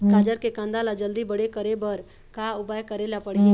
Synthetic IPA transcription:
kaːd͡ʒəɾkekãnd̪alad͡ʒəld̪ibəɽekəɾebəɾ | kaʊbaːjkəɾelapəɽi

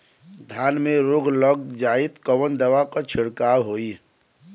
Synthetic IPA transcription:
d̪ʱjaːnmeɾoːɡʱləɡ̚d͡ʒaːit̪kəʋənd̪əʋakat͡ʃʰɪɽkaːwɦoːi

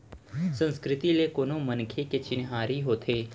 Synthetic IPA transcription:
sə̃nskɾɪt̪ilekoːnõmənkʰeket͡ʃɪnɦaːɾiɦoːt̪ʰeː

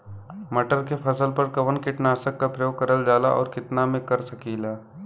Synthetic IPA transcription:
mɐʈəɾkepʰɐsəlpɐɾkɐʋənkɪʈnaːsəkːapɾɐjoːɡ̚kɐɾəld͡ʒaːlaʔɔ̰ːɾkɪt̪namẽkɐɾsɐkiːlaː

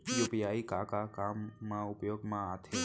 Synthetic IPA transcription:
juːpijaːikakakaːmːãʊpjoːɡmãaːt̪ʰe

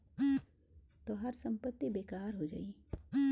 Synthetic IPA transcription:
t̪oɦɐɾsɐ̃mpət̪ːibeːkaːɾɦod͡ʒa̰ːi

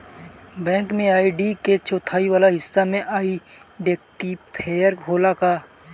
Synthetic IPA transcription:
bɛ̃ːŋkmẽaːiɖiket͡ʃʰoːt̪ʰaːiʋaːlaɦɪsːamẽʔaːi | ɖeːkʈipʰeːjəɾɦoːlakaː

